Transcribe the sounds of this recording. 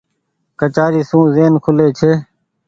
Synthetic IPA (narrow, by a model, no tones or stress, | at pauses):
kət͡ʃaːɾiːsũːzeːnkʰʊleːt͡ʃʰeː